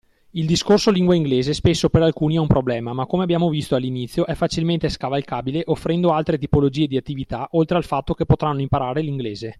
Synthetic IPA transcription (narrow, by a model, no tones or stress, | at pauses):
ild̪iskorsoliŋɡwaiŋɡleːzespesːopeɾalkuːniɛumpɾoblɛːmamakːomeabjaːmovist̪oalːinit̪sːjoʔɛfat͡ʃilment̪eskavalkaːbileʔofːɾɛnd̪oalt̪ɾet̪ipolod͡ʒiːed̪iat̪ːivit̪aʔolt̪ɾealfat̪ːokepːot̪ɾanːoimpaɾaːɾeliŋɡleːze